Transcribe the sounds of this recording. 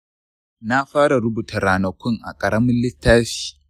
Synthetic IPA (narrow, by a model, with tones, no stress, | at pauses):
na˦ɸaː˦ɽa˨ɾʊ˦buː˨tʰɐ˨ɾaː˨nɐ˨kʷʊ˦ŋʔa̰˨kʼɐ˨ɽɐ˦mʊ˦nlɪ˦tːaː˦ʃi̥ː˦˨˦